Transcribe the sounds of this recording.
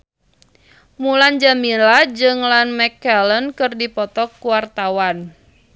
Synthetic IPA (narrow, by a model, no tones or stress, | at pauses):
muland͡ʒamilad͡ʒɨŋlanmɛkːɛlənkɨrdipɔt̪ɔkːuwart̪awan